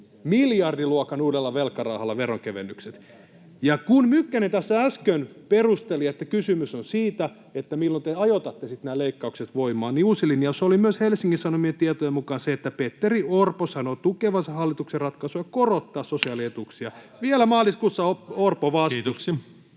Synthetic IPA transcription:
miljɑrdiluokɑnuːdelːɑʋelkːɑrɑuhɑlːɑʋeroŋkeʋḛnːykset̪ | jɑkunmykːænent̪æsːææskønperust̪eliet̪ːækysymysonsiːt̪æ | et̪ːæmilːont̪eɑjot̪ɑt̪ːesit̪næːleikːɑukset̪ʋoimɑːnniusilinjɑsolimyøshelsiŋkːisɑnomient̪iɑt̪ojemukɑːnseet̪ːæpet̪ːeriorposɑnot̪ukeʋɑsehɑlːit̪ukserɑt̪kɑsujɑkorot̪ːɑːssosiɑliet̪uksiɑ | ʋielæmɑːliskuːsːɑoorpoʋɑst̪us

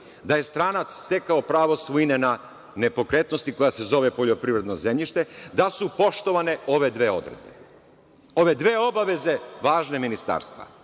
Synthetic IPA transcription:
d̪aje̞st̪ɾaːnat̪sst̪e̞kaopɾaːʋo̞sʋujinena | ne̞po̞kɾet̪no̞st̪iko̞jase̞zo̞ʋe̞po̞ʎo̞pɾiʋɾe̞d̪nozemʎiʃt̪e̞d̪asupo̞ʃt̪o̞ʋane̞o̞ʋe̞d̪ʋeːo̞̰d̪ɾed̪̚bḛ | o̞ʋe̞d̪ʋeːo̞baʋe̞ze̞ʋaːʒne̞minist̪a̰ɾst̪ʋa̰

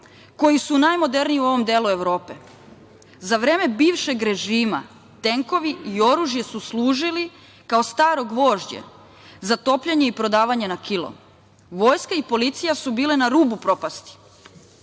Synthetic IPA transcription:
ko̞jisunaːjmo̞d̪e̞ɾniiuo̞ʋo̞md̪eːlue̞ʋɾo̞ːpe̞ | zaʋɾe̞ːme̞biːʋʃe̞ɡɾe̞ʒiːma̰ | t̪e̞ŋko̞ʋiio̞ɾuʒjesusluːʒili | kaost̪aːɾo̞ɡʋo̞ːʒd͡ʑḛ | zat̪o̞ːpʎaɲe̞ipɾo̞d̪aːʋaɲenakilo̰m | ʋo̞ːjskaipo̞lit̪sijasubiːle̞naɾuːbupɾo̞past̪i̥

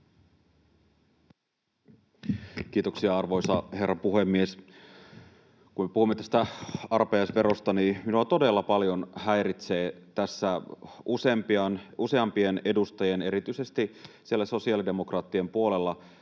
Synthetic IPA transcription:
k̟iːt̪oksiɑɑrʋo̞jsɑhe̞rːɑpuɦe̞mːies | kummepuhumːet̪æst̪æɑrpejɑsʋe̞ɾost̪ɑniminuɑt̪o̞de̞lːɑpɑljo̞nhæjɾit̪se̞ːt̪æsːæuse̞mpiɑnuse̞ɑmpie̞ne̞dust̪ɑjene̞ɾit̪yise̞st̪isielːæso̞siɑːlide̞mo̞krɑːt̪ːiempuo̞le̞lːɑ

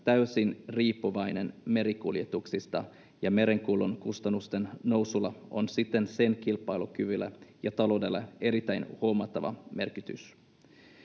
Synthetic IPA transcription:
t̪æysinriːpːuʋɑjne̞nme̞ɾikuljet̪uksist̪ɑ | jɑme̞ɾe̞ŋkulunkust̪ɑnːust̪enno̞wsulːɑo̞nsit̪ːe̞nse̞nkilpːˑɑjlukyʋylːæ̰jɑt̪ɑlo̞wdelːɑ̰e̞ɾit̪ːæjnhomɑt̪ːɑʋɑ̰me̞rkit̪y̰s

